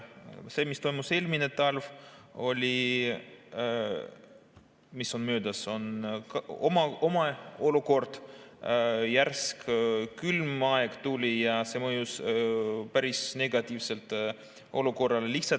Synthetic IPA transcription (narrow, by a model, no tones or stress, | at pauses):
se̞mist̪o̞jmuse̞ːlminet̪ɑlvo̞lʲi | miso̞nmøːd̪ɑso̞nkɑomɑo̞mɑo̞luko̞rd̪̥ | jærskkylmɑeɡ̥t̪ulʲijɑse̞ːmɤjus | pæɾisne̞ɡ̥ɑt̪ʲiːvse̞lt̪ˑ | o̞luko̞rːɑleliçh̪sɑ